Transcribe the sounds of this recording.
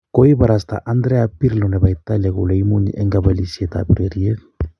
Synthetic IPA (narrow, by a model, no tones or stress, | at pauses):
koibaɾast̪a̰ʔand̪ɾeapiɾlonebajt̪aleɡulejmuɲḭʔeŋɡabalisjet̪a̰pɾeɾjek